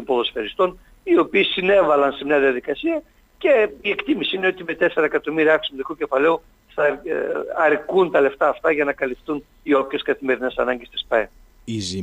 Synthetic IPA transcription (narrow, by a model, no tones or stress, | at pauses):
t̪ompoðosfeɾist̪o̞n | io̞piːsine̞vɐlɐnse̞mɲɐðiɐðikɐsiɐ | ce̞ie̞kt̪imisiineo̞t̪ime̞t̪e̞seɾɐekɐt̪o̞miɾiɐɐksmuðikuce̞fɐle̞u | θɐ | ɐɾkunt̪ɐle̞ft̪ɐːft̪ɐʝɐnɐkɐlift̪un | io̞pçe̞skɐθime̞ɾine̞sɐ̰nɐɲɟe̞st̪i̥spɐe | izi